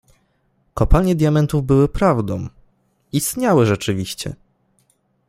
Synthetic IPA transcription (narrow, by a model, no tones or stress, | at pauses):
kɔpalɲɛd̪ʲjamɛnt̪uvbɘwɘpɾavd̪ɔ̃w̃ | ist̪ɲawɘʐɛt͡ʂɘvʲiɕt͡ɕɛ̰